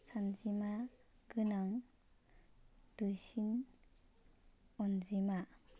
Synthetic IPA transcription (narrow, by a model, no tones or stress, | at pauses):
sʰand͡ʒimaɡɯnaŋ | d̥ɯsin | ɔnzima